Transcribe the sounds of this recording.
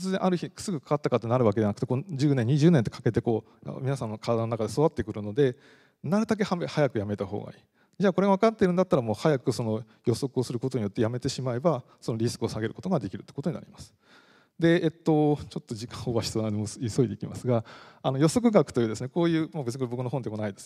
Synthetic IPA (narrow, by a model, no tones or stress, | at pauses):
ɨzẽʔaɾɯ̟çi̥sɨɡɯ̟kḁkat̪ːakat̪ːe̞naɾɯβak̬e̞deanakɯ̟t̪eko̞nd͡ʑɨːnẽ̞ɲ̟iʑɨːnẽnt̪ekḁke̞t̪e̞ko̞ː | a̰mʲinasãnːokʰad̪anonakad̪e̞soβat̪ːekɯ̟ɾɯ̟no̞d̪e̞ | naɾɯ̟d̪ak̬e̞hamehajakɯ̟jame̞t̪aɦo̞̰ːɡa̰ḭː | d͡ʑaːko̞ɾe̞ɡaβakat̪ːe̞ɾɯ̟̃nd̪at̪ːaɾamo̞ːhajakɯ̟so̞no̞ | jo̞so̞kɯ̟o̞sɨɾɯ̟ko̞t̪o̞ɲ̟ijo̞t̪ːe̞jame̞t̪e̞ɕimae̞ba | so̞noɾʲisɨ̥kɯo̞saɡe̞ɾɯ̟ko̞t̪o̞ɡad̪e̞kʲiɾɯ̟t̪oikot̪o̞ɲina̰ḭmasɨ̥ | d̪e̞ːt̪ːo̞t͡ɕo̞t̪ːo̞d͡ʑikḁ̃ɰ̃oβaɕi̥soad̪emoiso̞id̪e̞kʲima̰sɨɡaanojo̞so̞k̬ɯ̟ɡakɯ̥t̪o̞jɯːd̪esɨneko̞ːjɯ̟ːmabesɨɲikːbo̞kɯnoɦond̪emonaid̪es